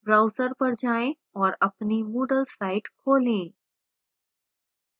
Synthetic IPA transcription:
bɾawsəɾpəɾd͡ʑʱaẽ | ɔɾəpniːmuɽəlsaiʈkʰolẽ

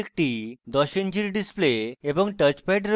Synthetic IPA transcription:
ek̚ʈid̪ɔɕend͡ʑiɾɖispleebəŋɡʈət͡ɕpɛʈɾ

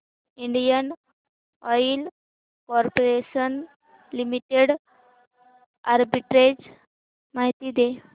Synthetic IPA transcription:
iɳɖijən | ɔil | kɔɾpoɾeɕən | limiʈeɽ | aɾbiʈɾed͡ʑ | maɦit̪iːd̪e

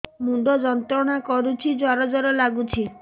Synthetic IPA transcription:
muɖʱɔd͡ʒɔnt̪ɾɔɽ̃akɔɾut͡ʃʰid͡ʒɔɾɔd͡ʒɔɾɔlaɡut͡ʃʰi

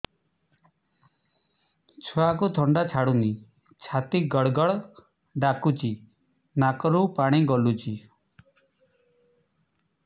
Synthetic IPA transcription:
t͡ʃʰɔakut̪ʰɔɳɖat͡ʃʰaɽuni | t͡ʃʰat̪iɡɔɽɡɔɭ | ɖakut͡ʃi | nakɔɾupaɽ̃iɡɔlut͡ʃi

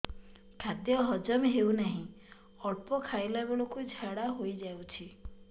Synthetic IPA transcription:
kʰad̪jɔɦɔd͡ʒɔmeɦewnaɦĩ | ɔɭpɔkʰaelabiɭokuid͡ʒʱaɽaɦojd͡ʒawt͡ʃʰi

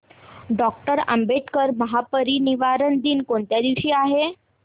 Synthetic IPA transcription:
ɖɔk̚ʈəɾə̰mbeʈkəɾməɦapəɾiniʋaɾəɳd̪iːnkoɳt̪jad̪iʋɕiːaɦe

